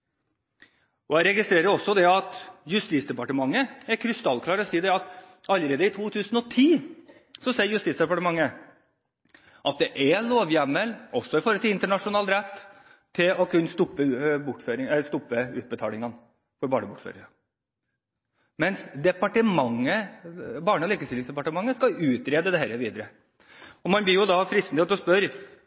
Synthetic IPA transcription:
ɔæɪɾɛɡɪst̪ɾeːɾəɾɔsːɔd̪ɛɑt̪jʉst̪iːt̪sd̪ɛpɑʈəmɑŋːəæɾkʰɾɪst̪ɑlkʰlɑːɾɔsiːd̪ɛɑt̪ | ɑlːəɾeːd̪əɪt̪ʰuːt̪ʰʉːsn̩ɔt̪ʰiː | sɔsɛːəɾjʉst̪iːt̪sd̪ɛpɑʈəmɑŋːə | ʔɑt̪̚d̪ɛʔɛloːʋjɛmːəlɔsɔɪfɔɾəlt̪ʰɪlɪnt̪əɳɑʂʊnɑːlɾɛt̪ːʰ | ɪlɔkʉnːst̪ʊpːəbʊʈːføːɾɪŋɛst̪ʊpːəʉːt̪̚bət̪ʰɑːlɪŋɑn | fɔɾbɑːɳəbʊʈːfø̰ːɾɪŋɑ | mɛnsd̪ɛpɑʈəmɑŋːəbɑːɳəɔliːkəst̪ɪlɪŋsd̪ɛpɑʈəmɑŋːəskɑʉːt̪ɾeːd̪əd̪ɛhæːɾəʋiːd̪əɾə | ɔmɑnb̪ɪjʊd̪ɑfɾɪst̪nɪheːt̪ɔspœɾ

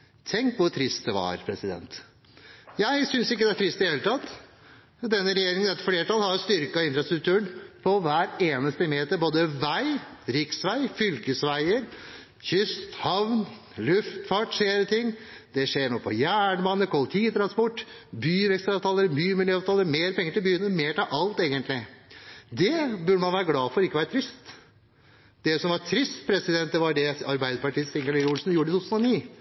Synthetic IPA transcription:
t̪ʰɛŋkʋʊt̪ʰɾɪst̪̚d̪ɛʋɑ̰ɾpʰɾɛsɪd̪ɛ̰nt̪ | jæɪsʏnsɪkːəd̪ɛæʈ̪ʰɾɪst̪ɪd̪heːlət̪ɑt̪ː | d̪ɛnːəɾɛjeːɾɪŋənɛt̪fleːʈʰɑlhɑɾjʊst̪ʏɾkɑɪnfɾɑst̪ɾʉk̚t̪ʰʉːəɳpʰɔʋæːɾeːnəst̪əmeːt̪əɾboːd̪əʋæɪɾɪksʋæɪfʏlkəsʋæɪəɾ | çʏst̪hɑʋn | lʉft̪fɑʈːseːɾət̪ʰɪŋːd̪̥ɛʂeːɳoːpʰɔ̰jæːɳmɑnːəkʰɔlt̪ʰiːt̪ʰɾɑnspɔʈː | byːʋɛkst̪ɾɑʋt̪ʰɑːləɾəmyːəmɪljøːɑʋt̪ɑːləɾmeːɾpʰɛŋːəɾʈɪlbyːənəmeːʈɪlʔɑlt̪eːɡənt̪lɪ | d̪ɛbʉɖəmɑnʋæːɾəɡlɑːfɔɾɔɪkːəʋæːɾət̪ʰɾɪst̪ | d̪ɛsɔmʋɑt̪ʰɾɪst̪pʰɾɛsɪd̪ɛnt̪̚d̪ɛʋɑɖɛɑɾbæɪd̪əɾpɑʈiːsɪŋəluːlsnjuːɖəɪuːt̪ʰːʉsnɔniː

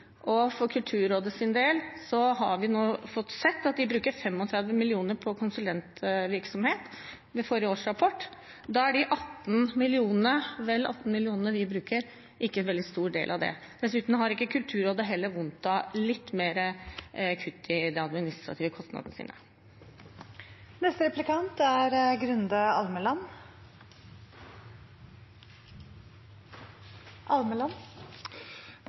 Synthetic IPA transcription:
ʔɔfɔɾkʰʉlt̪ʰʉːɾoːd̪əsɪnd̪eːlsɔɦɑɾʋɪnoːfɔt̪ːsɛt̪ːɑt̪̚d̪ɪbɾʉːkəɾfɛmɔt̪ʰɾɛd̪ʋəmɪlɪuːnəɾpʰɔkʰʊnsʉlɛnt̪ʋɪɾksɔmheːt̪ | mɛfɔɾɪjəoːʂɾɑpʰɔʈː | d̪ɑæɖɪʔɑt̪ːn̩mɪlɪuːnnəʋɛlːɑ̰t̪ːn̩mɪlɪuːnənəʋɪbɾʉːkəɾ | ʔɪkːənʋɛld̪ɪst̪uːɖḛːlʔɑʋd̪ɛ̰ | d̪̥ɛsʉːt̪n̩hɑɾɪkːəkʰʉlt̪ʰʉːɾoːd̪əɦɛlːəɾʋʊnt̪ɑlɪt̪ːmeːɾəkʰʉt̪ːɪd̪ɛɑd̪mɪnɪst̪ɾɑt̪ʰiːʋəkʰɔst̪nɑ̰d̪ənəsḭːnə̰ | nɛst̪əɾɛplɪkʰɑnt̪æɾɡɾʉnd̪ɑɑlməlɑn | ʔɑlməlɑn

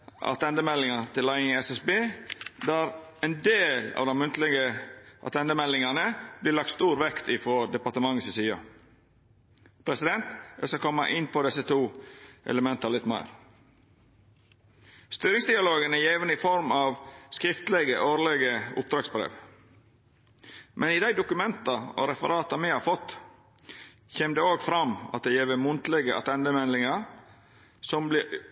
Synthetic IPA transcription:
ʔɑ̰t̪ʰɛnd̪əmɛlːɪŋɑt̪ʰɪlæɪɪŋːɛsɛsbeːd̪æːɾɛnd̪eːlɑ̰ːʋd̪ɛmʉnt̪lɪɡəʔɑ̰t̪ʰɛnd̪əmɛlːɪŋɑnəb̥lɪːlɑk̚t̪st̪uːɾʋɛkt̪ɪfɔd̪ɛpɑɾt̪əmɑŋːəssiːɑ̰ | pʰɾɛsɪd̪ɛnt̪æskɑkʰɔmːɑ̰ʔɪnːpʰɔd̪ɛsət̪ʰuːʔɛ̰ləmɛnt̪ɑlɪt̪mæ̰ɪɾ | st̪yːɾɪŋsd̪ɪɑloːɡənəjeːʋənəɪfɔɾmɑʋskɾɪft̪əlɛɡəʔoːɾlɛɡəʊ̰p̚d̪ɾɑːɡsbɾḛːʋ | mʔɛniːd̪æɪd̪ʊkʉmɛnt̪ɑɔ̰ɾɛfə̰ɾɑːt̪ɑmɪhɑːɾfɔt̪ː | çeːmd̪eːoːɡfɾɑmɑ̰t̪̚d̪ɛjeːʋəmʊnt̪lɛɡəʔɑ̰t̪ʰɛnd̪əmɛnlɪŋɑ | sɔmblɪ

